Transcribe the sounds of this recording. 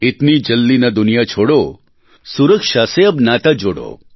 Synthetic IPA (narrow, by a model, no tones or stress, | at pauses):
ɪt̪nid͡ʒəlːinad̪ʊnijat͡ʃʰoːɽo | suɾəkʂaseəbnaːt̪ad͡ʒoːɽo̰